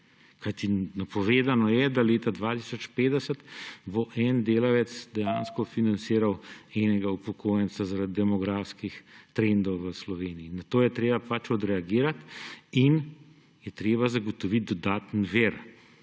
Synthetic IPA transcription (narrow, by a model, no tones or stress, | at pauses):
kajt̪inapɔʋeːd̪anɔjɛd̪aleːt̪ad̪ʋat̪isɔt͡ʃpeːd̪ɛsət̪boʔɛnd̪eːlaʋɛt̪sd̪ɛjaːnskɔfinansiːɾawɛnɛɡaupɔkʰoːjɛntsazaɾad̪id̪ɛmɔɡɾaːfskixt̪ɾend̪ɔwʋəslɔʋeːniinat̪oːjɛt̪ɾeːbapat͡ʃɔd̪ɾɛaɡiːɾat̪in | jɛt̪ɾeːbazaɡɔt̪ɔʋit̪̚d̪ɔd̪aːt̪nʋeːɾ